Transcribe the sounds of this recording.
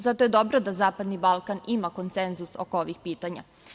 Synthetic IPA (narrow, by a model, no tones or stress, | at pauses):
zat̪oje̞d̪o̞bɾod̪azaːpad̪nibalˠkanimako̞nt̪senzuso̞̰kooʋixpiːt̪aɲa̰